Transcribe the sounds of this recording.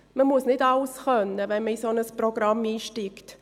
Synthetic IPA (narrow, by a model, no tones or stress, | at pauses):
məmusnɪdɑlsχœnːəvɛnməisonəsproɡ̥ɾɑmiːʃtiːkt